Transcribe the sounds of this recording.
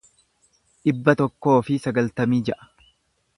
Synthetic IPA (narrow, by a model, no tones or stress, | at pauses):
ᶑɪbːɐt̪ɔkːo̞ːfɪsɐɡɐlt̪ɐmiːd͡ʒɛʔɐ̥